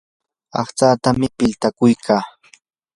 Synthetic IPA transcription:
ɑ̰χt͡saːt̪amɪpɪlt̪akʊjkʰaː

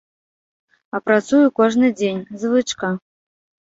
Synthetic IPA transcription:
ɐpɾat̪sujukɔʐnɨd͡zʲenʲzvɨt͡ʂka

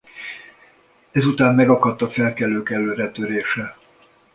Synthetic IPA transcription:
ɛzut̪aːmmɛɡɒkɒt̪ːɒfɛlkɛlːøːkɛlːøːɾɛt̪øɾeːʃɛ

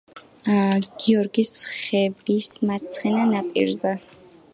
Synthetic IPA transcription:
ɡ̥iɔɾɡisχɛvismaɾt̪sʰχɛnanapʼḭɾzɛ

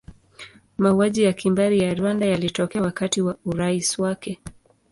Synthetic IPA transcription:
mauaʄijakimbaɾijaɾwandajalitɔkɛawakatiwauɾaiswakɛ

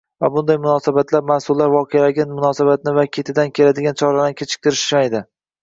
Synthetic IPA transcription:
vabʊnd̪ajmʊnɒsabat̪laɾmasʊlːaɾvɒqʰejalaɡʲanmʊnɒsabat̪nɪvakʲʰe̞t̪ʰɪd̪ankʲʰe̞lad̪ɪɡʲant͡ʃʰɒɾanɪkʲʰet͡ʃʰɪ̥k̚ʲt̪ɪɾɪʃɪ̥ʃmajd̪ɪ

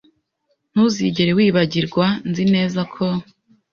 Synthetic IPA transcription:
n̥uːziɟe̞ɾewiːβaɟiɾɡwanzine̞ːzakʰo

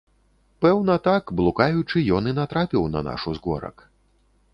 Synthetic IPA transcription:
pɛwn̪ɐt̪akblˠukajut͡ʂɨjɔninat̪ɾapʲiwnɐ̰na̰ʂuzɣɔ̰ɾɐ̰k

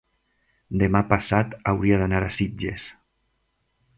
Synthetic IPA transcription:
d̪emapasat̪awɾiaðanaɾasid͡ʒḛs

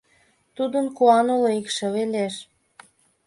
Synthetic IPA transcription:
t̪ud̪ənkuɑnoloikʃĕβeleʃ

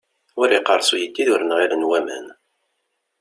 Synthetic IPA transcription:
wʊɾiqəɾˤsˤujəd̪ːiðʊɾənʁiɾənwæmæ̰n

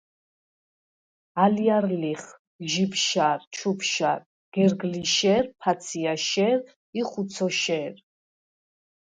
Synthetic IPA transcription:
aliaɾliχ | ʒibʃaɾt͡ʃʰupʃaɾ | ɡ̥ɛɾɡliʃɛɾpʰat̪sʰiaʃɛɾ | iχut̪sʰɔʃɛːɾ

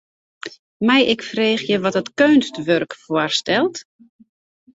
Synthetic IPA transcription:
mɛjɪkfreːxjəʋɔtətkøɥnstʋørkfoərstɛlˠt

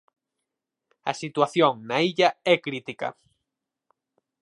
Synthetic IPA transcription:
ɐsit̪waθjoŋnaiʎɐɛkɾit̪ikɐ̰

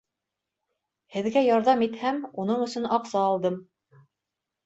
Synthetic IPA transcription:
hɘ̆ðɡæjɑɾðɑmit̪hæmun̪ɤɴɵ̆sɵnɑqsɑːlˠd̪ɤm

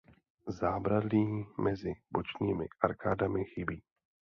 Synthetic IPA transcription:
zaːbɾadliːmɛzɪbot͡ʃɲiːmɪʔaɾkaːdamɪxɪbiː

